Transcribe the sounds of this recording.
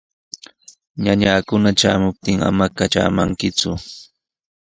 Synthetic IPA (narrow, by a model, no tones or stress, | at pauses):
ɲaɲaːkʊnat͡ʃa̰ːmʊp̚t̪ɪŋa̰makaʈ͡ʂa̰ːmaŋkɪt͡sʊ